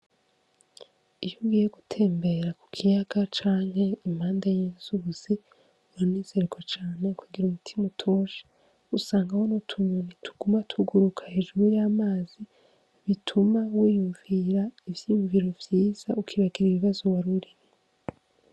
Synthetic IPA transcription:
ijoɡijeɡutʰe̞ːmbe̞ɾaku̥kʰijaɡat͡ʃaːŋhe̞im̥haːndajiːnzuuz̥i | uniːz̥e̞ɾekʰo̞t͡ʃaːne̞kʰuɡiɾumutʰimutʰoʃe̥ | usaːŋɡawonotʰuɲonitʰu̥ɡ̥umatʰuɡuɾukʰahe̞ːʒuɾujamaːzi | βitʰumawiːjuɱviɾaivjijuɱviɾo̞vjiːz̥aukʰiβaɡiɾiβiβazoβaɾuɾiɾe

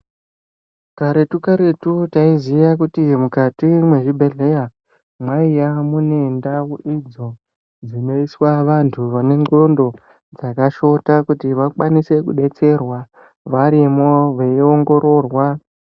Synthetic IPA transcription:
kaɾe̞tukaɾe̞tutaizijak̬utimukatimwe̞ʐibʱe̞ɮe̞ja | mwaijamune̞ndawoid͡zo̞ | d͡zino̞iswaʋantʰuʋane̞ŋo̞ndo̞ | d͡zakaʃo̞takutiʋakwanise̞kṵɗe̞t͡se̞rwa | ʋaɾimo̞ʋeio̞ŋɡo̞ɾo̞rwa

